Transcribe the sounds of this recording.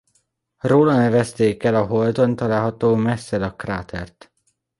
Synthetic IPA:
roːlɒnɛvɛst̪eːkɛlɒɦold̪o̞nt̪ɒlaːlɦɒt̪oːmɛsːɛlɒkraːt̪ʰɛ̰rt̪

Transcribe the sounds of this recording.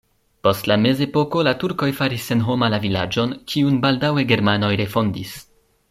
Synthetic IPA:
po̞stlame̞ze̞po̞ko̞latuɾko̞jfaɾisːe̞nɦo̞malavilad͡ʒo̞nkʰiunbaldawe̞ɡe̞ɾmano̞jɾe̞fo̞ndis

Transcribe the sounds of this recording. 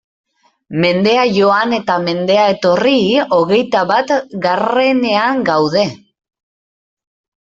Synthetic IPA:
me̞nd̪e̞aʝo̞ane̞t̪ame̞nd̪e̞ae̞t̪o̞rio̞ɣ̞e̞jt̪aβat̪ɡare̞ne̞aŋɡawð̞e̞

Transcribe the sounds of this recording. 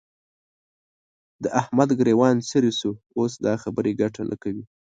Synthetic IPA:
d̪əʔahmad̪ɡɾewɑnsəɾisu | os̬d̪ɑxabəɾeɡaʈalʔa̰kawi

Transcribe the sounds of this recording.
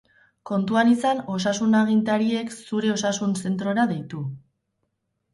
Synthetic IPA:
ko̞nt̪uanisano̞sasunaɣ̞int̪aɾie̞ksuɾe̞o̞sasunse̞nt̪ɾo̞ɾaðe̞jt̪u

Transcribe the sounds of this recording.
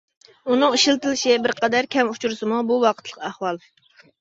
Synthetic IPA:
unɨŋiʃilt̪ɨlɪʃɪbɪɾqʰɑd̪æɾkʲʰɛmut͡ʃʰuɾɨsɨmubuwɑqʰət̪ʰlˠəqʰæhwɑlˠ

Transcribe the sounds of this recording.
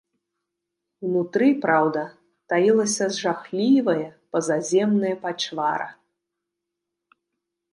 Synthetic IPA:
wnut̪ɾɨpɾawd̪ɐ | t̪ajilˠɐsʲɐzʐaxlʲivɐjɐpɐzazʲɛmnɐjɐpat͡ʂva̰ɾɐ̰

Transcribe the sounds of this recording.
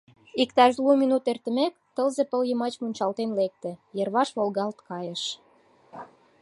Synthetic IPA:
ikt̪ɑʃluminut̪ert̪ə̆mek | t̪ə̆lzepəljəmɑt͡ɕmunʲt͡ɕɑlt̪enlek̚t̪ĕjə̆rβɑʃβolɣɑlt̪kɑjə̆ʃ

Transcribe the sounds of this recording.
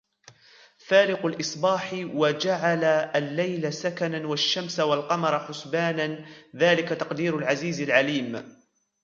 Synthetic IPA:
faːlɪqalʔɨsˤbɑːħwad͡ʒaʕalaalːajlasakananwaʃːamswalqɑmɑɾˤħʊsbaːnanðaːlɪkat̪ɑqd̪iːɾalʕaziːzɪlʕaliːm

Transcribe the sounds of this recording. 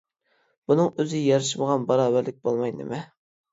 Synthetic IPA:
b̥unɨŋøzɪjɑɾɨʃiməʁɑnbɑɾɑːvæɾlɪk̚ʲbolˠmɑjnɪ̰mɛ

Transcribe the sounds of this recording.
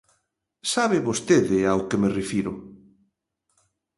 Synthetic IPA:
saβɪβost̪eðɪawkemerefiɾʊ

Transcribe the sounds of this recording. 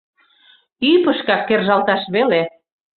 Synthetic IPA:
ypəʃkɑkːerʒɑlt̪ɑʃβele

